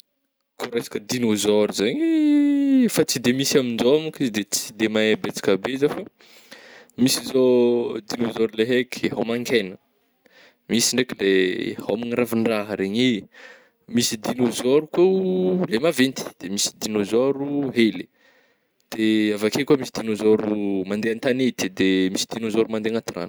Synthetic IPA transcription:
kʰoɾesḁkəd̪inozɔɾuzaɲi | fat͡sid̪emisamind͡ʒomukizd̪et͡si̥d̪emaebet͡si̥kabezafə | misizod̪inozɔɾuleɦekʰɦamaŋkʰajnə | misiɳɖ͡ʐekilehamaŋɾaviɳɖ͡ʐaɦəɾeɲi | misid̪inozoɾukwelemavent̪i̥d̪̥emisi̥d̪inozoɾuɦeli̥ | d̪̥eavakekuamisid̪inozoɾumand̪eant̪anet̪id̪emisid̪̥inozoɾumand̪eaŋat̪ira̰n̥

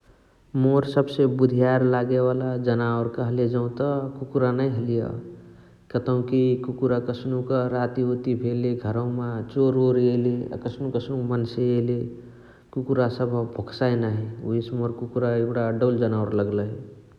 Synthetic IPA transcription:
moɾsəbsebud̪ʱijaɾlaɡeβalad͡ʒənaoɾkəɦled͡ʒaũt̪əkukuɾanəiɦelijə̰ | kət̪əũkikukuɾakəsʰnukəɾat̪iɦot̪ibʰʱeleɡʱəɾə̃mẽt͡ʃoɾoɾelḛkəsʰnũkəsʰnumənseele | kukuɾasəbʱbʱoksajnəɦiuismoɾkukuɾaebɽaɖəld͡ʒənaɾləɡləi

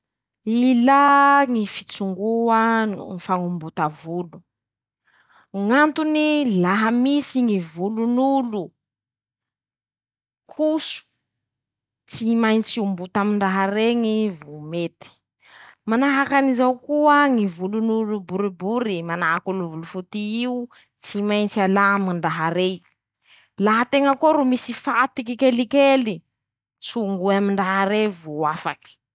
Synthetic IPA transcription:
ilaŋifit͡suŋɡuaŋifaŋumbut̪avulu̥ | ŋant̪unilaɦamisiŋivulunulu | kʰusu̥ | t͡simajnit͡siumbut̪amiɳɖ͡ʐaɦaɾeŋivumet̪i̥ | manaɦakanizawkuəŋivulunuɾubuɾibuɾimanaɦakuluvulufut̪iiu | t͡simajnt͡sialamiɳɖ͡ʐaɦaɾe | laɦat̪eŋəkoɾumisifat̪ikikelikeli | suŋɡuamiɳɖ͡ʐaɦaɾevuafaki̥

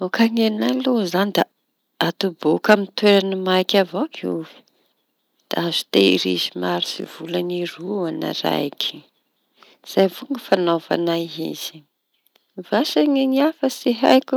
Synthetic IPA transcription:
okaŋenalozanid̪a | at̪ubokamint̪weɾanimajkʲavokiṵvi̥ | d̪̥aazu̥t̪eḭɾḭzimaɾi̥sḭv̥ulaniruana̰ɾa̰jkʰi̥ | z̥ajvuŋɡəfanova̰naɦḭz̥i̥ | vaʃaŋeɲiafəsiɦa̰jku

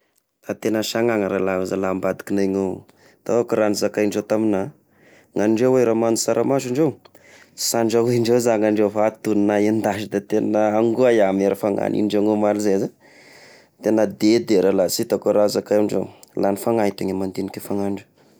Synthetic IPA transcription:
t̪at̪enəʃaŋaŋəɾalauzalambad̪i̥kinajŋow | t̪aakuɾanizakajɳɖ͡ʐet̪amina | ŋaɳɖ͡ʐeweɾamanusaɾʔamaziɳɖ͡ʐew | saɳɖ͡ʐaweɳɖ͡ʐezaŋaɳɖ͡ʐewfat̪unnajend̪aʃid̪at̪enəaŋɡuajameɾəfaŋa̰nḭɳɖ͡ʐeŋomaɾizeza | t̪enəd̪ed̪eɾalasit̪akuɾazakajɳɖ͡ʐḛlanifaŋat̪aɲamant̪enikʲefaŋaɳɖ͡ʐu̥

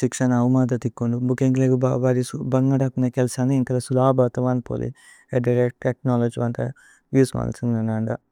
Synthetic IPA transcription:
ʃikʂɐnɐʋmaːd̪ɐt̪ikːuɳɖubukeŋɡleɡuʋaːɾisubɐŋɡaːɽakunekelsaːniiŋkɐlɐsulaːbɐt̪ɐʋaːnpo̰ːlḭ | eɖɐɾeʈ̚ʈek̚naːlod͡ʒʋɐnt̪ɐ̰ | ʋjuːsma̰ːlsind̪nɐnaːɳɖɐ

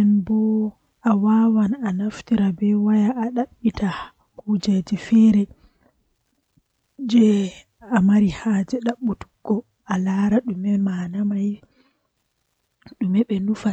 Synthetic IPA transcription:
ɛnbɔ | awawananaftiɾabɛwajaʔːɗaɓːita | hud͡ʒɛd͡ʒɛfɛɾɛ | d͡ʒɛ | amaɾihaːd͡ʒɛɗaɓːutu̥ɡːɔ | alaːɾaɗumɛmanamaj | ɗumɛɓɛnufa

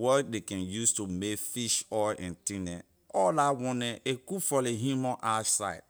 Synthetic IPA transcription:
wɔdekɛ̃njustumekfiʃɔʔɛ̰̃ntĩnɛ̰̃ | ɔlawɔ̃nɛʔekufɔleɦumɔ̃ʔaʃsa̰ɪd

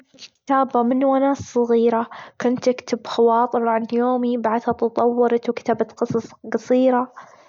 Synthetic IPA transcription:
kɪ̥t̪aːbamɪnwanaːsˤːɑɣiːɾakʊnt̪ːɪkt̪ɪbxɑwɑːt̪ˤɨɾʕanjoːmibaʕd̪hat̪ɑt̪ˤɑwːɑɾɑt̪wkt̪aːbat̪qɨsˤɑsˤqɑsˤiːɾa

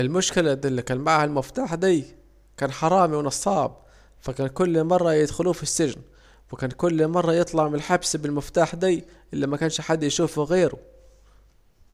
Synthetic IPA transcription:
ʔɪlmʊʃkɪlæɪlːikæːnmaʕhælmɪft̪aːħd̪iː | kæːnħɑɾˤɑːmiwɪnɑsˤɑːb | fækæːnkʊlːmɑrˤːɑjɪd̪xʊluːfisːɪʒn | wɪkæːnkʊlːmɑrˤːɑjet̪ˤlɑʕmɪlħabsbɪlmɪft̪aːħd̪iː | ʔɪlːæmækæːnʃħad̪ːjʃuːfɣeːɾʊ

